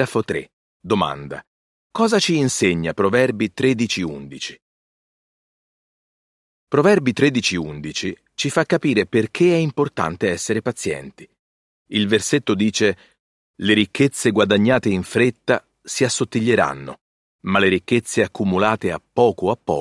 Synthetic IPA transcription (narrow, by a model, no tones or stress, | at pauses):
afot̪ɾḛ | d̪oma̰nd̪a̰ | kɔːzat͡ʃiːnseɲːapɾovɛrbit̪ɾed̪it͡ʃiund̪it͡ʃi̥ | pɾovɛrbit̪ɾed̪it͡ʃiund̪it͡ʃi | t͡ʃifakːapiːɾeperk̟ʰeɛimport̪a̰nt̪eɛsːeɾepat̪sjɛ̰nt̪i̥ | ilverset̪ːod̪iːt͡ʃe | leɾikːet̪sːeɡwad̪aɲːaːt̪eiɱfɾet̪ːa | siasːot̪ːiʎːeɾa̰nːo̰ | maleɾikːet̪sːeakːumulaːt̪eapːɔːkoapːɔ̰